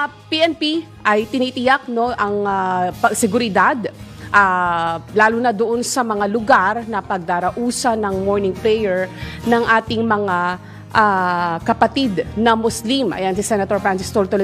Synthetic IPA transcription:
piʔɛnpi | ʔɐjt̪ɪniːt̪ɪjak̚no̞ʔɐŋaɐɡsɛɡʊɾɪd̪ad̪ | ʔalaːluːnɐd̪oʔonsɐmɐŋalʊɡaɾnɐpɐɡ̚d̪aːɾɐʔuːsɐnɐŋmoɹnɪŋplɛjɛɹnɐŋʔaːt̪ɪŋmɐŋa | ʔakɐpɐt̪id̪nɐmʊslimʔɐ̰jansɪsɛnɐt̪oɹfansɪst̪olt̪ol

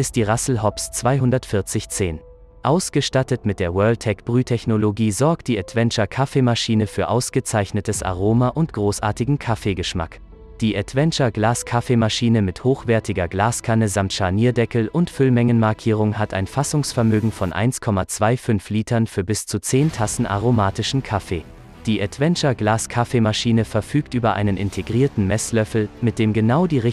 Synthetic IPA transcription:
ʔɪstd̥iːʁasl̩ɦɔpst͡sv̥aɪɦʊndɐtfɪɐt͡sɪçt͡seːn | ʔaʊsɡ̥əʃtatətmɪt̚d̥eːɐwœɐltʰɛkb̥ʁyːtʰɛçnoloɡiːzɔɐk̚t̚d̥iːɛtv̥ɛnt͡ʃɐkʰafemaʃiːnəfyːɐʔaʊsɡ̥ət͡saɪçnətəsʔa̰ʁoːmaʔʊntɡ̥ʁoːsʔa̰ːɐtɪɡŋ̩kʰafeːɡəʃma̰k | d̥iːʔɛtv̥ɛnt͡ʃɐɡlaːskʰafemaʃiːnəmɪthoːxv̥ɛɐtʰɪɡɐɡlaːskʰanəzamtʃaɐniːɐdɛkl̩ʔʊntfʏlmɛŋənmaɐkʰiːʁ̞ʊŋhatʰa̰ɪnfasʊŋsfɛɐmøːɡŋ̩fɔnʔa̰ɪnskʰɔmat͡sv̥aɪfʏnfliːtʰɐnfyːɐbɪst͡sut͡seːntʰasn̩ʔa̰ʁ̞omaːtɪʃn̩kʰafḛː | d̥iːʔɛtv̥ɛnt͡ʃɐɡlaːskʰafemaʃiːnəfɛɐfyːktʔyːbɐʔa̰ɪnənʔɪ̰ntʰeɡʁiːɐtn̩mɛslœfl̩mɪt̚d̥eːmɡənaʊdiːʁɪ

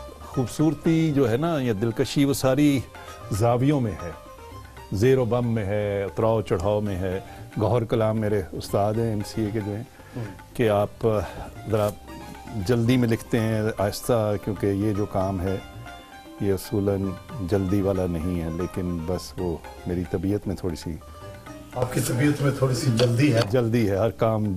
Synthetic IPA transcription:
xuːbsuːɾt̪id͡ʒoːɦɛnajãd̪ɪlkəʃiʋosaːɾi | zaːʋijõmẽɦɛː | zeːɾobɐmːẽɦɛʊt̪ɾaːot͡ʃɐɽ̤aːomẽɦɛːɡɔːɦɾkɐlaːmːeːɾeʊst̪aːd̪ɦɛ̃ɛmsieked͡ʒoːɦɛ̃ː | keaːpzɐɾa | d͡ʒɐld̪imẽlɪkʰt̪eɦɛ̃aːjɪst̪akjõːkejed͡ʒoːkaːmɦɛ | jeʊsuːlənd͡ʒɐld̪iʋaːlanɐɦĩɦɛleːkɪnbɐsʋoː | meːɾit̪ɐbiːət̪mẽt̪ʰoːɽisḭ | aːp̚kit̪ɐbiət̪mẽt̪ʰoːɽisid͡ʒɐld̪iɦɛd͡ʒɐld̪iɦɛɦɐɾkaːm

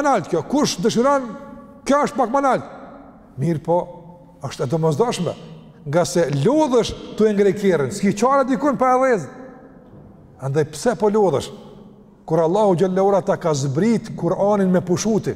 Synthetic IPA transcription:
nalt̪kjɔkuʃd̪əʃ̬iɾɔn | kjɔəʃt̪̚bakmanalt̪ | miɾpɔ | əʃt̪ɛd̪ɔmɔzd̪ɔʃmɛ̰ | ŋɡasɛlɔðəʃt̪uɛŋɡɾɛkɛrinskit͡ʃaɾad̪ikɔnpaɛðɛz | ɛnd̪ɛjpsɛpɔlɔðə̰ʃ | kuɾalˠːahud͡ʒalːauɾat̪akazbɾit̪kuɾaninmɛpuʃut̪i

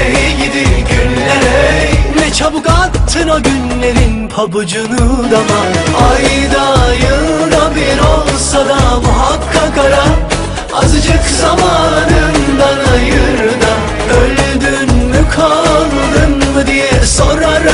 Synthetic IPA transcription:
jɡid̪iɟynlɛɾnɛt͡ʃʰɐbukat̪ʰːɯnoɟynle̞ɾinpʰabɯd͡ʒunɯd̪amaajd̪ajɯd̪abiɾolˠsad̪amuɦakʰːakaɾa | azɯd͡ʒɯkzamaːnɯnd̪anajɯɾd̪a | øld̪ynːykʰalˠ | nɯnmɯd̪ijɛsoɾaɾ

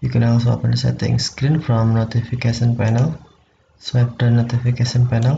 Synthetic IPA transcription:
jukɛ̃nɔls̬oa̰pə̃nsɛ̰t̪ɪ̰̃ŋskɾinfɾɔ̃mnot̪ifikeʃɔnpɛnəl | swɛp̚d̪ənot̪ifikeʃɔ̃npɛnəl

